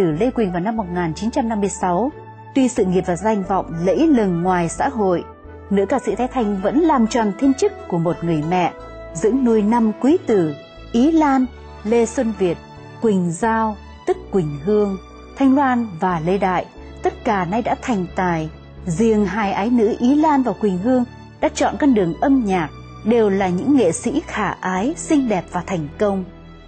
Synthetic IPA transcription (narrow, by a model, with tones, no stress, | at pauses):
ɨ˧˩le˧kwi˨˩ŋ̟vaː˨˩wna˧mːo˨˩t̚ŋaː˨˩nt͡ɕi˨˦nt͡ɕa˧mna˧mːɨ˧əjsa˨˦w | t̪wi˧sɨ̰˧˨ŋi˨˩əp̚vaː˨˩za˧jŋ̟vɔ̰˧˨wŋ͡mlə̰˧˥jlə˨˩nŋwaː˨˩jsa̰ː˧˥ɦo̰˧˨j | nɨ̰˧˥kaː˧˩sɨ̰˧˨t̪ʰa˨˦jt̪ʰa˧jŋ̟və̰˧˥nlaː˨˩mt͡ɕɔ˨˩nt̪ʰi˧ənt͡ɕɨ˦˥kːu˧˩əmo˨˩t̚ŋɨ˨˩əjmɛ̰˧˨ | zɨ̰˧˥əŋnu˧əjna˧mkwi˨˦t̪ɨ˧˩ | ʔi˨˦laː˧n | le˧swə˧nvi˨˩ət̚ | kwï˨˩ŋ̟zaː˧w | t̪ɨ˦˥kːwï˨˩ŋ̟ɦɨ˧əŋ | t̪ʰa˧jŋ̟lwaː˧nvaː˨˩lə˧jɗa̰ː˧˨j | t̪ə˦˥t̚kaː˧˩na˧jɗa̰ː˧˥t̪ʰa˨˩jŋ̟t̪aː˨˩j | zi˨˩əŋɦaː˧˩jʔaː˨˦jnɨ̰˧˥ʔi˨˦laː˧nvaː˨˩wkwï˨˩ŋ̟ɦɨ˧əŋ | ɗa̰ː˧˥t͡ɕɔ̰˧˨nkɔ˧nɗɨ˨˩əŋʔə˧mɲaː˨˩k̚ | ɗe˨˩wlaː˨˩ɲɨ̰˧˥ŋːḛ˧˨sḭ˧˥xaː˧˩ʔaː˨˦jsï˧ŋ̟ɗɛ˨˩p̚vaː˨˩t̪ʰa˨˩jŋ̟kə˧wŋ͡m